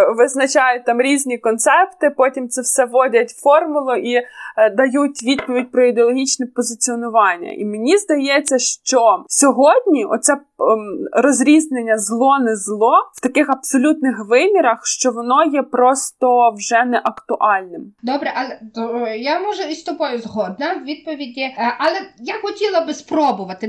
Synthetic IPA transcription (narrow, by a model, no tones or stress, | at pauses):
ʋɪznɐt͡ʃɑjʊt̚ʲt̪ɑmɾʲizʲnʲikɔnt̪sɛpt̪ɪpɔtʲimt̪sɛwsɛʋɔdʲɐtʲfɔrmʊlˠʊʔid̪ɐjutʲʋʲid̪̚pɔʋʲidʲpɾɔid̪eɔlˠɔɦʲit͡ʃnɛpɔzɪt͡sʲiɔnʊʋɑnʲːɐ̰ʔḭmenʲizd̪ɐjɛt͡sʲːɐʃt͡ʃɔsʲɔɦɔdʲnʲiɔ̰t̪t̪sɛ | ɾɔzʲɾʲiznenʲːɐzlˠɔnɛzlˠɔw̥t̪ɐkɪxɐpsɔlʲut̪nɪxʋɪmʲiɾɐxʃt͡ʃɔʋɔnɔjɛpɾɔst̪ɔwʒɛnɛʔɐkt̪ʊʔɑlʲnɪmd̪ɔbɾɛʔɐlˠɛt̪ɔjamɔʒɛist̪ɔbɔjʊzɦɔd̪nɐwʋʲid̪̚pɔʋʲidʲiʔɐlˠɛjaxɔtʲilˠɐbɪspɾɔbʊʋɐt̪ɪ